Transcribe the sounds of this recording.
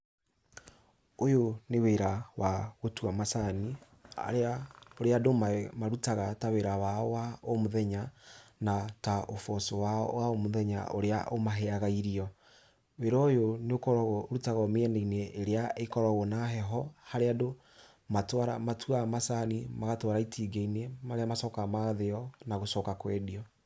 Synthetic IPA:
ojoneweɾawaɣotwamasani | a̰ɾeaoɾeadomamaɾutaɣataweɾawawaomoðɛɲanataʔofɔsowawaomoðɛɲa̰ʔo̰ɾea̰ʔomaɦɛaɣaiɾiɔ | weɾɔjoneokɔɾɔɣɾutaɣɔmeɛneineːɾeaekɔɾɔɣɔnaɦɛɦɔhaɾeado | matwaɾamatʰuamasanimaɣatwaɾaitʰiɡeinemaɾeamasɔkamaɣaðeɔnaɣosɔːkakwɛdiɔ

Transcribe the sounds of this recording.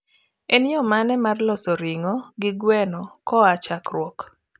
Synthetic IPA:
enjɔmanɛmarlɔsɔɾɪŋɔɡɪɡwɛnɔkɔat͡ʃakɾwɔk

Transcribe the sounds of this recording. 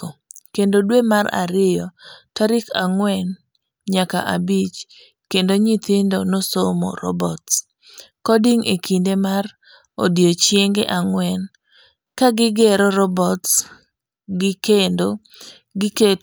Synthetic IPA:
kendodwemaɾa̰ɾɪjɔtaɾɪkaŋwɛn | ɲaka̰ʔabit͡ʃ | kendoɲit̪ɪndonosomɔ̰ɾɔ̰bɔts | kɔdɪŋʔekʰindemar | odjot͡ʃjeŋɡeʔaŋwɛn | kaɡɪɡɛɾɔɾɔbɔts | ɡɪkendo | ɡɪke

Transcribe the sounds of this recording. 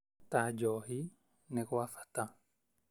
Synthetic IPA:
tad͡ʒɔɦi | nɛkɔwafḁta

